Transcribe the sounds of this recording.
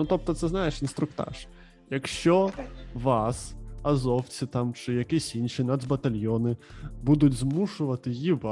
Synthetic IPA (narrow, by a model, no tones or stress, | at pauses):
nut̪ɔp̚t̪ɔt̪sɛznajɛʂinst̪ɾʊkt̪a̰ʂ | jɐkʃt͡ʃɔʋasazɔwt̪sɨt̪amt͡ʂɨjɐkʲisʲinʂinad̪zbɐt̪alʲjɔnɨbud̪ud͡zʲzmuʂʊvɐt̪ɨjiba